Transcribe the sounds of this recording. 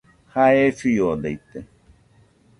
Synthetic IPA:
haefijod̪eit̪e

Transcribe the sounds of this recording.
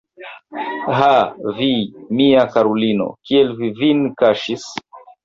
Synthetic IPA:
ɦavimiakaɾulino̰kielvivinkaʃis

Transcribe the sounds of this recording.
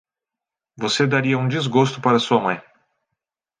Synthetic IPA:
vosed̪aɾiɐũd͡ʒizɡost̪ʊpaɾɐsuɐmɐ̃j̃

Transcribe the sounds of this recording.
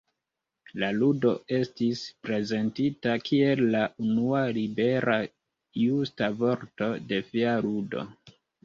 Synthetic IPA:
laludo̞e̞stispɾe̞ze̞ntitakʰie̞lːaʔunualibe̞ɾa | justavo̞ɾto̞de̞fialudo̰

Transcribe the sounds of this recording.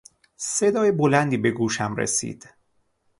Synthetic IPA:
se̞d̪ɒːjebolænd̪iːbe̞ɡuːʃæmɾḛsḭːd̪̥

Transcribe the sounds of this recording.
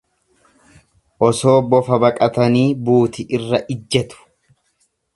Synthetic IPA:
ʔɔso̞ːbɔfɐbɐkʼɐt̪ɐniːbuːt̪ɪʔɪrːɐʔɪd͡ʒːɐt̪ʊ̥

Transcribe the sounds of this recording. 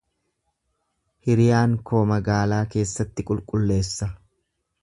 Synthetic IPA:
hɪɾɪjaːŋkʰo̞ːmɐɡaːlaːke̞ːsːɐt̪ːɪkʼʊlkʼʊlːe̞ːsːɐ

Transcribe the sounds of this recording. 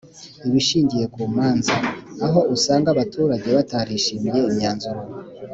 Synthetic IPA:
iβiʃiːɲɟije̞kuːmaːnzaːɦo̞usaːŋɡaβatuːɾaɟe̞βataɾiʃimije̞imɲaːnzuɾo

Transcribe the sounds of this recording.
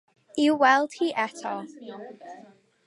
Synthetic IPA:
iwɛlˠd̥hiʔɛtʰɔ

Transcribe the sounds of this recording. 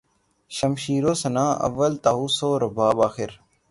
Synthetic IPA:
ʃəmʃiːɾoːsənãːʔə̰ʋːəlt̪aːɦuːsoːɾəbaːbaːxɪɾ

